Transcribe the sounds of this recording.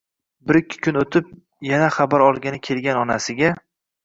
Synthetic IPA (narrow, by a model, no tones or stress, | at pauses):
bɪɾkʲʰːɪ̥kʲʰʊnot̪ʰɪp̚ | janaχabaɾɒlˠɡʲanɪkʲʰe̞lɡʲanɒnasɪɡʲa